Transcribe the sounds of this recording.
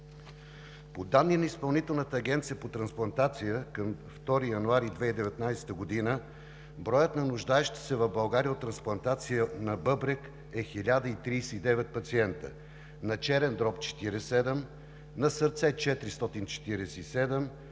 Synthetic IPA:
pod̪anːinɐispɐlˠnit̪ɛlˠnət̪əːɡʲɛnt̪sijəpot̪ɾɐnsplˠɐnt̪at̪sijəkəmft̪ɔɾijɐnuaɾid̪vɛid̪ɛvɛt̪najsɛ̥t̪əɡod̪inə | bɾɔjət̪nɐnʊʒd̪aɛʃt̪i̥sɛvɐvbɐlˠɡaɾiəot̪ːɾɐnsplˠɐnt̪at̪sijənɐbɤbɾɛk | ɛxilʲad̪əit̪ɾijsɛid̪ɛvɛt̪̚pɐt̪siɛnt̪ə̰ | nɐt͡ʃɛɾɛnd̪ɾɔpt͡ʃɛ̥t̪iɾɛsɛd̪ɛm | nɐsəɾt̪sɛt͡ʃɛt̪ɾist̪ɔt̪int͡ʃɛ̥t̪iɾɛsɛisɛd̪ɛm

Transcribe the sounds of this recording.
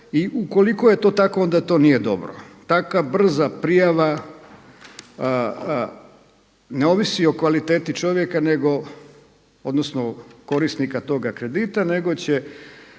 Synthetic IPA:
iʔuko̞likoje̞t̪o̞ːt̪ako̞o̞nd̪at̪o̞ːnije̞d̪o̞̰bɾo̰t̪akʋabr̩zapɾijaʋa | neo̞ʋisio̞kʋalit̪e̞ːt̪it͡ʃo̞ʋjekane̞ɡo̞ | o̞d̪nosnoko̞ɾisnikat̪o̞ɡakɾe̞d̪it̪ane̞ɡo̞t͡ɕe

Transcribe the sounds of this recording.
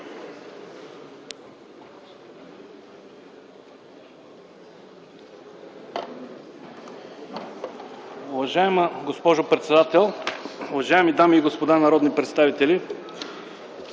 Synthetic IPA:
ʊvɐʒaɛməɡospɔʒʊpɾɛt̪sɛd̪at̪ɛlˠʊvɐʒaɛmid̪amiːɡospod̪anɐɾɔd̪nipɾɛt̪st̪avit̪ɛli

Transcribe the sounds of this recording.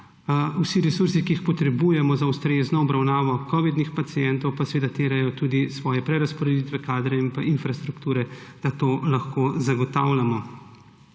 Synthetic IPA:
usiɾɛsuɾsikiːxpɔt̪ɾɛbuːjɛmɔzaust̪ɾeːznɔɔbɾawnaːʋɔkɔːʋid̪nixpat̪sijɛnt̪ɔwpasɛʋeːd̪at̪eːɾajɔt̪uːd̪isʋɔːjɛpɾɛɾaspɔɾɛd̪iːt̪ʋɛkaːd̪ɾɛinpaʔinfɾast̪ɾukt̪uːɾɛd̪̥at̪oːlaxkozaɡɔt̪awlʲjamɔ

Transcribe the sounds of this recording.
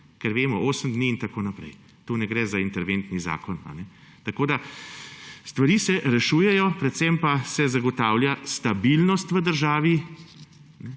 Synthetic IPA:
kɛɾʋeːmɔoːsəmd̪niːnt̪akoːnapɾɛ̰j | t̪oːnɛɡɾɛːzaint̪ɛɾʋeːnt̪niza̰ːkɔna̰nɛ | t̪akoːd̪a | st̪ʋaɾiːsɛʔɾɛʃuːjɛjɔpɾɛt̪sɛmpasɛzaɡɔt̪aːwljast̪abilnɔst̪ʋəd̪əɾʒaːʋi | nɛ

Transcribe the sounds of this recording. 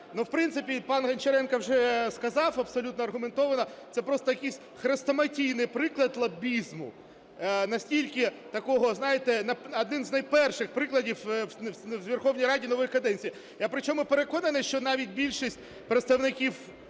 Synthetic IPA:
nuwpɾɪntsɪpʲipɑnɦɐnt͡ʃeɾɛnkɐwʒɛskɐzɑwɐbsɔlʲut̪nɔɐrɦʊment̪ɔʋɐnɐt̪sɛpɾɔst̪ɔjɐkʲisʲ | xɾest̪ɐmɐtʲijnɪjpɾɪklˠɐd̪lˠɐbʲizmʊ̰ | nɐsʲtʲilʲkɪ | t̪ɐkɔɦɔznɑjet̪ɛnɐɐd̪nɪnznɐjpɛrʃɪxpɾɪklˠɐdʲiw | wʋʲerxɔwnʲijɾɑdʲinɔʋɪjkɐd̪ɛnʲt͡sʲiji | jɐpɾɪt͡ʃʲɔmʊpeɾekɔnɐnɪʃt͡ʃɔnɑʋʲit̚ʲbʲilʲʃisʲt̚ʲ | pɾet̪st̪ɐwnɪkʲiw

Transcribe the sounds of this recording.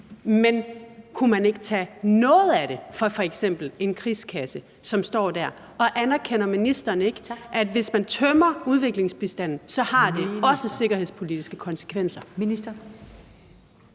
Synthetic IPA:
menkʰumæne̝ɡ̥ət͡sʰɛ̰ːnɔ̽ːð̞̩ˠæɾ̥e̝fɒfɒ̽eɡ̥sem̰b̥l̩e̝nkʰʁiːskʰæsə | sɒ̽msd̥ɒ̰ːd̥æɐ̰ | ɒ̽ʔænæɐkʰenɐminisd̥ɐːne̝ɡ̥əʔædʋe̝smænt͡sʰœmɐuð̞ˠʋe̝ɡ̥le̝ŋsb̥isd̥æn̰n̩sɒ̽hɑ̈d̥e̝ɒ̽səse̝ɡ̥ɐhe̝ðˠspʰo̝lid̥isɡ̥əkʰɒ̽nsə̥kʰʋen̰sɐ̥

